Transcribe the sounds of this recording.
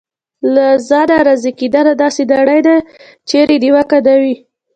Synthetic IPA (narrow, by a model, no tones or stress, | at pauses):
lazɑd̪aɾazekid̪alad̪ɑsed̪aɽajd̪a | t͡ʃeɾed̪iwakad̪awi